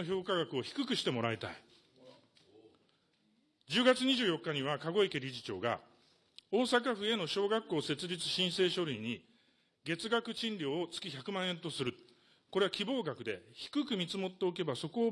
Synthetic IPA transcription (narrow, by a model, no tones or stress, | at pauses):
oço̞ːkaɡakɯ̟o̞çi̥kɯ̟kɯ̟ɕi̥t̪e̞mo̞ɾait̪a̰i | d͡ʑɨːɡat͡sɨɲ̟iʑɨːjo̞kːaɲ̟iβ̞akaɡo̞ekeɾʲiʑit͡ɕo̞̰ːɡa̰ | o̞ːsak̬aɸɯ̟e̞no̞ɕo̞ːɡakːo̞ːse̞t͡sɨɾʲit͡sɨ̥ɕĩɰ̃se̞ːɕo̞ɾɯ̟iɲ̟i | ɡe̞t͡sɨɡakɯ̟t͡ɕĩnɾʲo̞ːt͡sɨ̥kʲiçakɯ̟mãɰ̃ẽ̞nt̪o̞sɨɾɯ̟ | ko̞ɾe̞βakʲibo̞ːɡakɯ̟d̪e̞̰çi̥kɯ̟kɯ̟mʲit͡sɨmo̞t̪ːe̞oke̞baso̞ko̞ː